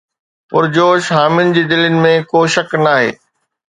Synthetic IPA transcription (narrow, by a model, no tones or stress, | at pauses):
pʊɾd͡ʑoːʃɦaːmɪnɪ̆d͡ʑiːd̪ɪlənɪ̆mẽkoːʃɐknaːɦḛː